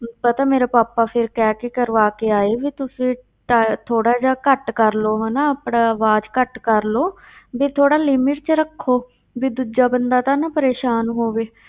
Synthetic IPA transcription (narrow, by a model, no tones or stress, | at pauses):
pət̪aːmeːɾaːpaːpaːpʰɪɾkɛːkɪkəɾʋaːkeːaːeːʋiːt̪ʊsẽː | ʈat̪ʰoːɽaːd͡ʒaːkəʈkəɾloːɦɛːnaːəpɽaːəʋaːd͡ʒkəʈkəɾloː | biːt̪ʰoːɽaːlɪmɪʈ̚t͡ʃɾəkʰːoː | biːd̪uːd͡ʒaːbənd̪aːt̪aːnaːpəɾeːʃaːnɦoːʋeː